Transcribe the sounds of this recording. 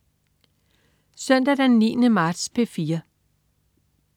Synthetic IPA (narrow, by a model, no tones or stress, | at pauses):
sœn̰d̥æd̥enːḭːnəmɑ̈ːd̥spʰe̝fiːɐ